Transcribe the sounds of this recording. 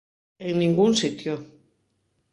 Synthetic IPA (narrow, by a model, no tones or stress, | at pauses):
eŋnĩŋɡunsit̪jo